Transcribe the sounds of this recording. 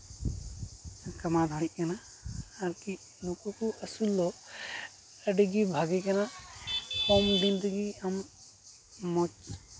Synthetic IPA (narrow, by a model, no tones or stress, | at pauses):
kɐmad̪ʱaɽiʔ̚ˀkanaː | ɾki | nukukuʔəsulːɔ | əɖiɡibʱaɡikana | kɔmd̪ind̪əɡiam | ɔt͡ʃ